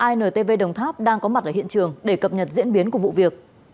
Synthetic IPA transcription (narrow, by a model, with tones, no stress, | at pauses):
ʔaː˧jnəː˨˩t̪e˧ve˧ɗə˨˩wŋ͡mt̪ʰaː˦˥p̚ɗaː˧ŋkɔ˨˦ma˨˩t̚ʔəː˧˩ḭ˧˨ənt͡ɕɨ˨˩əŋɗe˧˩kə˨˩p̚ɲə˨˩t̚zḭ˧˥ənɓi˨˦ənku˧˩əvṵ˧˨vi˨˩ək̚